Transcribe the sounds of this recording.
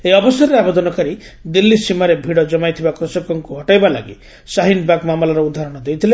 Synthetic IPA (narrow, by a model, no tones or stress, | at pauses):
eɔbɔsɔɾɔɾeabed̪ɔnɔkaɾi | d̪ilːisimaɾebʱiɽɔd͡ʒɔmajt̪ʰibakɾusɔkɔŋkuɦɔʈajbala̰ɡḭ | saɦinbakmamɔlaɾɔud̪ʱaɾɔɽ̃ɔd̪ejt̪ʰile